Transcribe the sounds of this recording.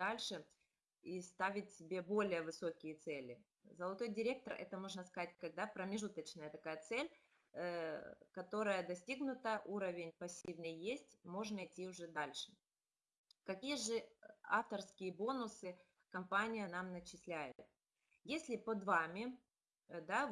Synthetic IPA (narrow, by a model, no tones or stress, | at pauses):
d̪alʲʂɨ | ist̪avʲɪtʲsʲɪbʲe̞bo̞lʲɪjəvɨso̞kʲɪjət̪sɛlʲɪ | zəlˠɐt̪o̞jdʲɪɾʲe̞k̚t̪ərɛ̰t̪əmo̞ʐnəskɐzat̚ʲkɐɡ̚d̪apɾəmʲɪʐut̪ət͡ɕnəjət̪ɐkajət̪sɛlʲ | kɐt̪o̞ɾəjəd̪ɐsʲtʲiɡnʊt̪əʔuɾəvʲɪnʲpɐsʲːivnəjjesʲtʲmo̞ʐnəjtʲːiʊʐɛd̪alʲʂɨ̥ | kɐkʲijəʐɨaft̪ərskʲɪjəbo̞nʊsɨ | kɐmpanʲɪjənamnət͡ɕɪsʲlʲæjɪʊt̪̚ | jesʲlʲɪpod̪vamʲɪ | d̪a